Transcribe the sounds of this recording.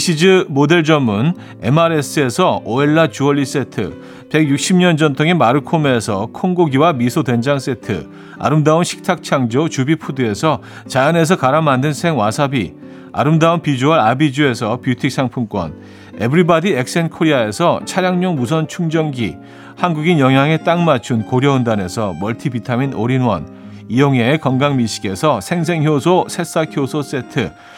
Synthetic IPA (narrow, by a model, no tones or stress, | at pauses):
iɕʰid͡ʑɯmode̞ɭd͡ʑʌmːun | e̞maɾes͈ʰɯe̞sʰʌoeɭːat͡ɕuʌʎːis͈e̞tʰɯ̰ | pe̞ɡjuk̚ɕ͈ʰimɲʌnd͡ʑʌntʰoŋemaɾɯkʰomesʰʌkʰoŋɡoɡiwamisʰotwe̞nd͡ʑaŋs͈e̞tʰɯ̰ | a̰ɾɯmdaunɕʰi̥k̚tʰak̚t͡ɕʰaŋd͡ʑot͡ɕubipʰudɯe̞sʰʌ | t͡ɕajane̞s̬ʰʌkaɾamandɯnsʰe̞ŋwasʰabi | a̰ɾɯmdaunpid͡ʑoaɾabid͡ʑue̞sʰʌpjutʰik̚s͈ʰaŋpʰumk͈wʌ̰n | e̞̰bɯɾibʌdiek̚s͈enkʰoɾiae̞sʰʌt͡ɕʰaɾjaŋɲoŋmus̬ʰʌnt͡ɕʰuŋd͡ʑʌŋɡi | hanɡuɡinjʌŋɦjaŋe̞t͈aŋmat͡ɕʰunkoɾjʌɯndane̞sʰʌmʌɭtʰibitʰaminoɾinwʌ̰n | ijoŋe̞kʌnɡaŋmiɕʰi̥ɡe̞sʰʌsʰe̞ŋs̬ʰe̞ŋçjosʰosʰe̞s͈akʰjosʰos͈e̞tʰɯ